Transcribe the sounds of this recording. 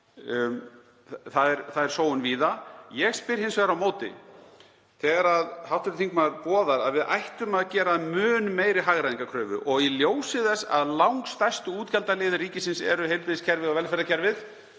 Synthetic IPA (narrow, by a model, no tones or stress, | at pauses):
θaðɛɾθaðɛɾ̥soːwʏnviːðajɛɣspɪɾ̥hɪnsvɛɣɾawmoːwt̪ɪ̰ | θɛːɣaɾaðhawht̪ʏɾʏt̪θiŋkmaɾpɔːðaɾaðvɪða̰jht̪ʏmaðcɛːɾamʏːnmejɾɪɦaɣɾaðiŋkakʰɾœːvʏ̰ʔɔɣiljoːwsɪðɛsːa̰ðlawŋkst̪ajst̪ʏuːt̪cʰalt̪alɪːðɪriːcɪsɪnsɛ̰ɾʏɦejlpɾɪðɪscʰɛɾvɪðɔvɛlfɛɾðacʰɛɾvɪθ